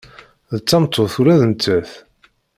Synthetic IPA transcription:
ðət͡sːɑmt̪ʰˤːoθuɾæðənt̪ːəθ

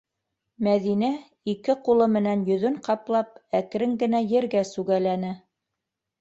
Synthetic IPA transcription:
mæðinæ | ikɘqulˠɤmɘ̆nænjɵ̆ðɵɴqɑplˠɑp̚ækɾɘŋɡɘ̆næjɘ̆ɾɡæsʉɡælænɘ

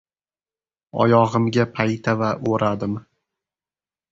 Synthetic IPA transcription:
ɒ̰jɒʁɨmɡʲapʰajt̪ʰavaʔoɾad̪ɪm

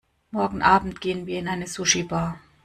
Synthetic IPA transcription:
mɔɐɡŋ̩ʔaːbm̩tɡ̥eːənviːɐɪnaɪnəsuʃibaː

